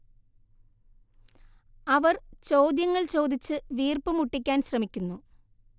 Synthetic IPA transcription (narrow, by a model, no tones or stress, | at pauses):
ɐʋɐrt͡ɕoːd̪jɐŋːɐɭt͡ɕo̞ːd̪it͡ɕːɨʋiːrpɨmuʈːikʲːaːnɕrɐmikʲːunːu